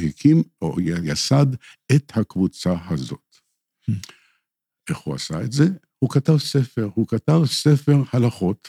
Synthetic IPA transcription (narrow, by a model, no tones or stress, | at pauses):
hikʰimʔo̰jjasad̪ | et̪hakvut͡sahazo̞̰t | ʔeχhua̰saetze̞ | hukatavsefe̞ʁhukatavsefe̞ʁhalaχo̞t̪